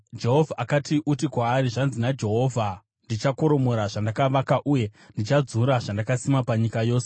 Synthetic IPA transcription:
d͡ʒe̞ɦo̞vʱaʔakatiʔutikwaːɾiʐanzinad͡ʒe̞ɦo̞ːvʱa | ndit͡ʃako̞ɾo̞mo̞ɾaʐandakaʋakaʔuje̞ndit͡ʃad͡zuɾaʐandakasimapaɲikajo̞ːsee

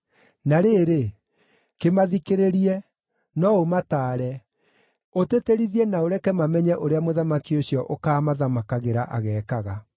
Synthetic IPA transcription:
naɾeːɾe | kemaðikeɾeɾiɛ | nɔomataːɾɛ | oteteɾiðiɛnaoɾɛkɛmamɛɲɛʔoɾeamoðamakiosjɔʔokaːmaðamakaɣeɾaʔa̰ɣɛːkaɣa

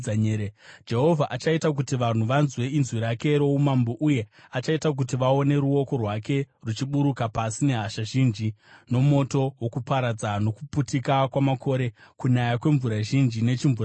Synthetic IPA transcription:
aɲed͡ʒe̞ɦo̞vʱaʔat͡ʃaitak̬utiʋan̤uʋanzwe̞inzwiɾake̞ɾo̞umamboʔuje̞at͡ʃaitak̬utiʋao̞ne̞ɾuo̞ko̞rwake̞rut͡ʃiɓuɾukapasine̞ɦaʃaʒind͡ʒino̞mo̞to̞wokupaɾad͡zano̞kuputikakwamakʰo̞ɾekuɲajakwe̞ɱvuɾaʒind͡ʒine̞t͡ʃiɱvu

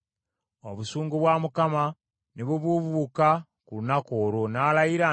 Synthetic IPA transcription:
o̞̰βusuːŋɡuβwamukama | niβuβuβuːka | kulunakoːɾonaːlajiɾa

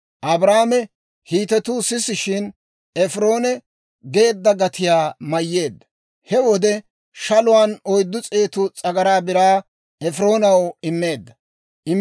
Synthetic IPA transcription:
ʔɐbɾaːmɛ | hiːt̪ɛt̪uːsɪsɪʃɪn | ɛfɾo̞ːnɛ | ɡe̞ːd̪ːɐɡɐt̪ɪjaːmɐjːe̞ːd̪ːɐ | hɛwɔd̪ɛ | ʃɐlʊwaːnɔjd̪ːʊt͡sʼeːt̪ʊt͡sʼɐɡɐɾaːbɪɾaː | ɛfɾo̞ːnɐwɪmːe̞ːd̪ːɐ | ʔɪm

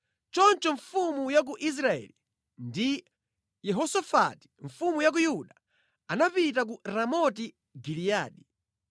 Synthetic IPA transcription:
t͡ʃɔnt͡ʃɔɱfumujak̬uʔis̬ɾaɛ̰li | ndi | jɛɦɔsɔfa̰ti̥ɱ̩fumujak̬ujuɗa | anapit̬ak̬uɾamɔti | ɡilijaːɗi

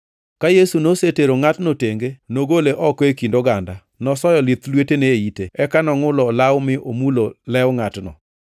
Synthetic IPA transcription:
kajesunoseteɾoŋatnoteŋɡenoɡoleʔɔkekindoɡanda | nɔsɔjɔlɪt̪lweteneiteɛkanɔŋʊlɔlawmɪʔomulolɛwŋatnɔ̰

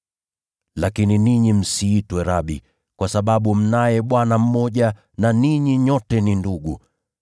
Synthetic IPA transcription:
lakininiɲim̩siːtwɛɾaɓi | kwasaɓaɓum̩najɛɓwanam̩mɔʄa | naniɲiɲɔtɛninduɡu

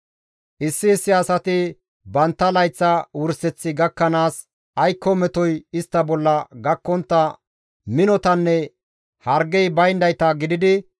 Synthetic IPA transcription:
ʔɪsːɪːsːɪɐsɐt̪ɪ | bɐnt̪ːɐlɐjt͡sːɐwʊɾsɛt͡sːɪɡɐkːɐnaːs | ʔɐjkːɔmɛt̪ɔjɪst̪ːɐbɔlːɐɡɐkːɔnt̪ːɐ | mɪnɔt̪ɐnːɛ | hɐɾɡɛjbɐjnd̪ɐjt̪ɐɡɪd̪ɪd̪ɪ

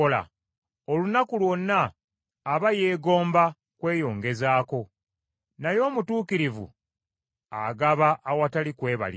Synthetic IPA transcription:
ola̰ | olunakulwo̞nːaː | βaje̞ːɡo̞ːmba | kwe̞ːjo̞ːŋɡe̞zaːko̞ | najo̞ːmutuːkiɾivṵ | a̰ɡaβaʔːwatalikwe̞ːβa̰li

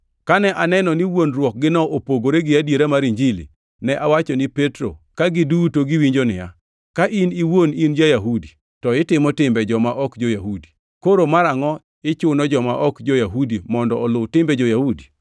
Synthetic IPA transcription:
kanɛʔanɛnɔniwonrwɔk̚ɡɪnɔʔopoɡoɾeɡɪadjeɾamaɾiɲd͡ʒilḭ | nɛʔawat͡ʃɔnɪpetɾo̰kaɡɪdutoɡiwiɲd͡ʒonɪja̰ | kaʔiniwonind͡ʒajaɦudi | tɔɪtɪmɔtɪmbɛd͡ʒɔmaʔɔkd͡ʒojaɦudi̥ | koɾomaɾaŋɔ | ɪt͡ʃʊnɔd͡ʒɔmaʔɔkd͡ʒɔjaɦudimɔndɔːlʊwtɪmbɛd͡ʒɔjahudi

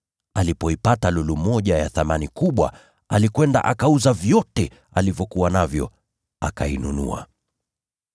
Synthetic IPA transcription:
alipɔipatalulumɔʄajaθamanikuɓwa̰ | alikwɛnda̰ʔakauzavjɔtɛ | alivjɔkuwanavjɔ̰ | a̰kainunṵa̰

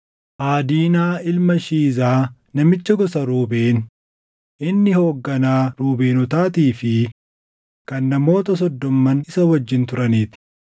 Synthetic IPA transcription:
ʔaːd̪iːnaːɪlmɐʃiːzaː | nɐmɪt͡ʃːɐɡɔsɐɾuːbeːn | ʔɪnːɪho̞ːɡːɐnaːɾuːbe̞ːnɔt̪aːt̪iːfɪ | kɐnːɐmo̞ːt̪ɐs̬ɔd̪ːɔmːɐnɪsɐwɐd͡ʒːɪnt̪ʊɾɐniːt̪ɪ̥

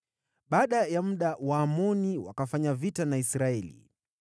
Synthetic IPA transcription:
ɓaːɗajam̩ɗawaːmɔniwa̰kafaɲavitanaisɾaɛlḭ

